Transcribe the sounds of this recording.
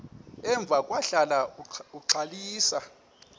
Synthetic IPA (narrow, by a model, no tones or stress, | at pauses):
ɛɱb̪vʱakʼwaɬalauǀʰaliːsa